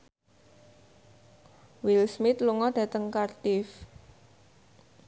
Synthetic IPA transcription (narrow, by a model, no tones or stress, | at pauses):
wilsmɪt̪luŋɔɖ̥a̤t̪əŋkart̪ɪf